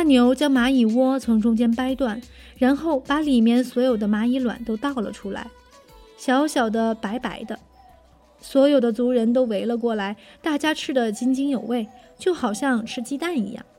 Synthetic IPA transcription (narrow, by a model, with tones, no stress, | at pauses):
a˥˩njo˧˥ʊt͡ɕjɑ˥ŋma˧˥i˨˩wɔ˥t͡sʰʊ˧˥ŋʈ͡ʂʊ˥ŋt͡ɕjɛ˥npa˥ɪt̪wa˥˩n | ɻa˧˥nxo˥˩ʊpa˧˥li˨˩mjɛ˥˩nswɔ˧˥jo˨˩ʊd̪ə˦ma˧˥i˧˥lwa̰˨˩nt̪o˥ʊt̪ɑ˥˩ʊlə̰˩ʈ͡ʂʰu˥la̰˧˥ɪ | ɕjɑ˧˥ʊɕjɑ˨˩ʊd̪ə˦pa˧˥ɪpa˧˥ɪd̪ə˧ | swɔ˧˥jo˨˩ʊd̪ə˦t͡su˧˥ɻə˧˥nt̪o˥ʊwe˧˥ɪlə˧k̬wɔ˥˩la˧˥ɪt̪a˥˩t͡ɕja˥ʈ͡ʂʰɻ̩˥d̪ə˨t͡ɕi˥ŋt͡ɕi˥ŋjo˨˩ʊwe˥˩ɪt͡ɕjo˥˩ʊxɑ˨˩ʊɕjɑ˥˧ŋʈ͡ʂʰɻ̩˥t͡ɕi˥t̪a˥˩nḭ˧˥jɑ̰˥˩ŋ